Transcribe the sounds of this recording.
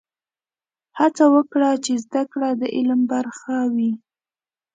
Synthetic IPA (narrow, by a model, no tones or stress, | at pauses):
hat͡sawəkɽat͡ʃezd̪akɽad̪əʔɪlmbaɾxawi